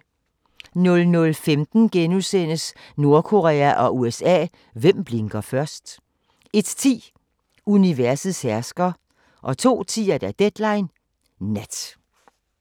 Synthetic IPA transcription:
nɔ̽lnɔ̽lfemd̥n̩ɡ̥enusen̰əsno̝ɐkʰo̝ʁɛ̰ːæʔɒ̽uesɛ̰ː | ʋem̰b̥le̝ŋɡ̥ɐfɶɐsd̥ | e̝d̥t͡sʰḭː | uniʋæɐsð̩ˠshæɐsɡ̥ɐ | ʔɒ̽t͡sʰo̝̰ːt͡sʰḭːɐd̥æd̥ed̥lɑ̈ɪnː | æd̥

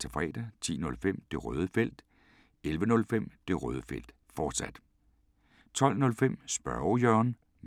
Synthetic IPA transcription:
t͡sʰefʁɛ̰ːd̥ɐt͡sʰḭːnɔ̽lfem̰d̥e̝ʁœ̰ːð̞ˠəfel̰d̥ | elʋənɔ̽lfem̰d̥e̝ʁœːðˠəfel̰d̥ | fɒːd̥sæd̥ | t͡sʰɒ̽l̰nɔ̽lfem̰sb̥ɶʊjœːɐn | m

